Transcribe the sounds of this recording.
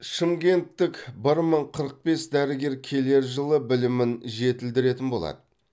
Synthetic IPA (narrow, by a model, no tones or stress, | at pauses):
ʃəmkʲe̞nt̪ːɪkbɪɾməɴqʰəɾəq̚be̞sd̪æɾɪɡʲe̞ɾkʲʰe̞le̞ɾʒəlˠəbɪlɪmɪnʒe̞t̪ɪld̪ɪɾe̞t̪ɪnbo̞lˠɑ̰d̪ə